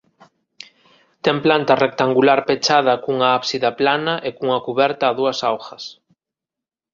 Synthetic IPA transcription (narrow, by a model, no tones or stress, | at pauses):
t̪ɛŋplant̪ɐrek̚t̪aŋɡulaɾpet͡ʃaðɐkuŋɐapsiðɐplanɐʔekuuŋɐkuβɛɾt̪aːðuɐsawxɐs